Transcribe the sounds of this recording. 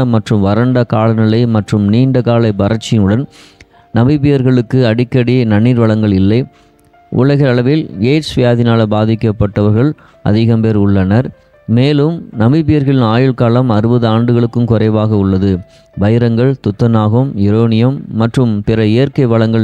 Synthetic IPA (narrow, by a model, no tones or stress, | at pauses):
ɐmɐʈrɯmʋɐɾɐɳɖɐkaːlɐnɪlɐɪmɐʈrɯmniːɳɖɐkaːlɐɪbɐɾɐt͡ʃːɪnɯɽɐn | nɐbɪbɪjɐɾɣɐɭɯkːɯɐɽɪkːɐɽinɐnːiːɾʋɐɭɐŋɡɐɭɪlːɐɪ | ʔʊ̰ɭɐɣɐɐɭɐʋɪleːt͡ʃʋɪjaːðɪnaːlɐbaːðɪkːɐpːɐʈːɐʋɐɾɣɐɭ | ʔɐ̰ðɪɣɐmpeːɾʊɭːɐnɐɾ | meːlɯmnɐbɪbɪjɐɾɣɐɭɪnaːjɪɭkaːlɐmɐɾɯbɐðɯaːɳɖɯɣɐɭɯkːɯmkʊrɐɪʋaːɣɐʊɭːɐðɯ | ʋɐɪɾɐŋɡɐɭt̪ʊt̪ːɐnaːɣɐmɪɾoːnɪjɐmːɐʈrɯmpɪɾɐɪjɐɾkɐɪʋɐɭɐŋɡɐɭ